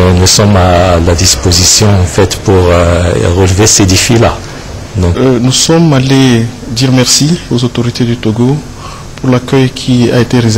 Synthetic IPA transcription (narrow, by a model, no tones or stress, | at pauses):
nusɔmalad̪ispozisjɔ̃ɑ̃fɛt̪puʁʁəlvesed̪efila | d̪ɔ̃nusɔmale | d̪iʁmɛʁsiozot̪oʁit̪ed̪yt̪oɡo | puʁlakœjkʲʰia̰et̪eʁez